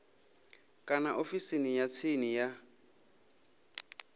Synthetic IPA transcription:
kʼanaʔofisinijat͡sʰinija

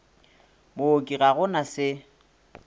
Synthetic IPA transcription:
moːkʼiɣaɣʊnasɪ

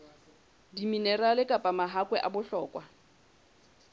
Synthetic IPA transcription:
diminɛralɪkʼapʼamaɦakʼwɛʔabʊɬɔːkʼwa

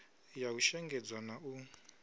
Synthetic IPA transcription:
jauʃɛŋɡɛd͡zwanau

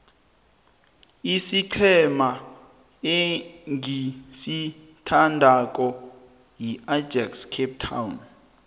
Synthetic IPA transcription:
isiǀʰɛma | eŋisi | tʰandʱak̬ʼɔ | jiḁd͡ʒʱɛkskʰep̚tʰawn

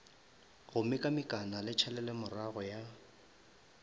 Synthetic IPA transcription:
ɣʊmɪkʼamɪkʼanalɪt͡ʃʰalɛlɛmʊraɣɔja

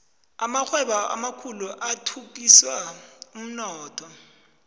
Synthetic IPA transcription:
amak͡xʰwɛɓaa̰makʰuluʔatʰuk̬ʼiswaum̩nɔːtʰʼɔ

